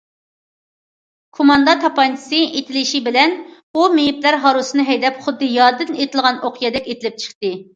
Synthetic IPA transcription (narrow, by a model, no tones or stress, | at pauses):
kʰomɑnd̪ɑt̪ʰɑpɑjnt͡ʃ̪ʰɨ̥sɨʔet̪ʰɪlɪʃibɪlɛnbumejiplæɾɦɑɾusɨnɨɦɛjd̪ɛpχʊd̪ːɨjɑɾd̪ɨnet̪ʰɪlˠʁɑnoqʰijɛd̪ɛkʲet̪ʰɪlɪp̚t͡ʃʰə̥χt̪ɨ